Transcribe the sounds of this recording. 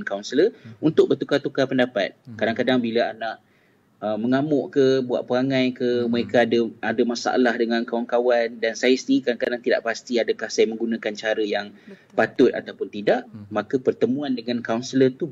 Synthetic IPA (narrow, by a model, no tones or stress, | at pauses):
nkawnsələunt̪ʊk̚bərt̪ukat̪ukapəndapa̰t̪̚kadaŋkadaŋbilaanãʔ | əməŋamɔʔkəbua̰ʔ̚pəaŋãjkəməɾekaːdəadəmasa̰a̰lahdəŋãnkawankawandansajəst̪iɾikadaŋkadaŋt̪ida̰ʔpast̪iadəkahsajəmə̃ŋɡunakant͡ʃaɾəjaŋ | pat̪ʊt̪̚a̰t̪awpʊnt̪idaʔmãkəpərt̪əmũandəŋankawnsələrt̪u